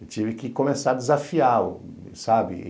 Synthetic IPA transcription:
t͡ʃivɪkɪkõmesaɾd̪ɪzafiaʊ̰ | sabɪ̰

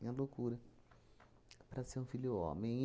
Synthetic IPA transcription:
ɐ̃lokuɾɐ | pɾɐseɾũfilʊõ̰mẽ

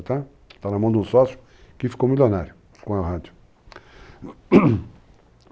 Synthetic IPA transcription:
t̪a | t̪anɐmɐ̃w̃d̪ũsɔsjʊ̥ | kɪfi̥kowmilonaɾjʊ | kõɐʁad̪jʊ

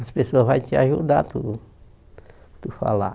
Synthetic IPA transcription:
ɐspesoɐzvajt͡ʃɪaʒud̪at̪u | t̪ufa̰la̰

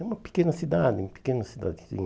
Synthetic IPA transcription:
umɐpi̥kẽnɐsid̪ad̪ɪumɐpi̥kenɐsid̪a̰d̪ɪsḭ̃

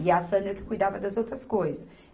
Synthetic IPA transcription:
iasɐ̃nd̪ɾɐkɪ̥kujd̪avɐd̪ɐzowt̪ɾɐskojzɐ

